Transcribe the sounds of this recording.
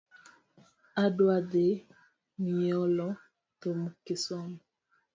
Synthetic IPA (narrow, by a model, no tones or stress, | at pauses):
adwade | miɔlɔ | t̪omukɪsɔn